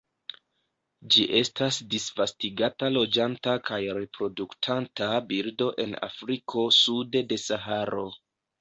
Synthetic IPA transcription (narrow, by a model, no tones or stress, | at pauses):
d͡ʒiʔe̞stasdisvastiɡatalo̞d͡ʒantakʰajɾe̞pɾo̞duktʰantabiɾdo̞ʔe̞na̰fɾikʰo̞sude̞de̞saɦaɾo̞